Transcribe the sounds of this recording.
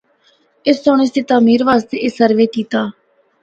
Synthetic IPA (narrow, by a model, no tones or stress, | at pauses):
ɪst̪oːñeːst̪eːt̪aːmiːɾʋaːst̪eːʔɪsəɾʋeːkiːt̪aː